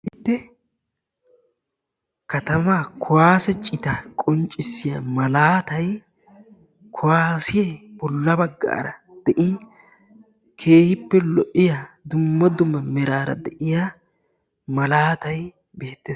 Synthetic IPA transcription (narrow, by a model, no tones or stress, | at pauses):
ʔɪt̪ːɛ | kɐt̪ɐmaːkʰʊwaːsɛt͡ʃʼɪt̪ɐkʼɔnt͡ʃʼːɪsːɪjamɐlaːt̪ɐj | kʰʊwaːsɪjɛbɔlːɐbɐɡːa̰ːɾɐ | d̪̥ɛʔɪn | kʰe̞ːhɪpːɛlɔʔɪjad̪ʊmːɐd̪ʊmːɐmɛɾaːɾɐ̰d̪ɛʔɪjaː | mɐlaːt̪ɐj | beːt̪ːeːs